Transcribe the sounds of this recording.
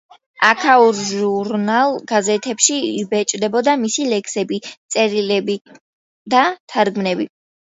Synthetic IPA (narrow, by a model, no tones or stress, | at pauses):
akʰauɾʒuɾnalˠɡazɛt̪ʰɛpʃiibɛt͡ʃʼd̪ɛbɔd̪amisilɛkʰsɛbit̪sʼɛɾilɛbi | d̪at̪ʰaɾɡmnɛbi